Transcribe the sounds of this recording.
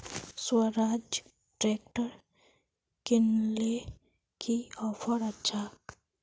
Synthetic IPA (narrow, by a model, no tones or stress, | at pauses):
swəɾaːd͡ʒ | ʈɾeːk̚ʈəɾ | kɪnle | kiɔːpʰəɾətːt͡ʃʰak